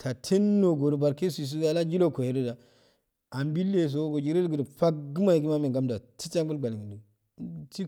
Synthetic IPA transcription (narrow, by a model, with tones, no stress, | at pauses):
tʰa˨tʰe˦nːo˨ɡo˨ɾu˨ba˨ɾke˦si˨s̬u˦a˨la˦d͡ʒi˦lo˦ko˨he˨˦do˦da˨ | a˨mbi˦lːe˦˨s̬o˦ɡo˨d͡ʒi˦ɾe˦lɡu˨dɸa˦ɡu˦ma˦ji˨ɡi˦ma˦me˨ŋɡa˦mda˨ti̥˦t͡ʃa˦ŋbu˦lɡ͡ba˨li˨ŋɡi˨du˨˦ | ti˦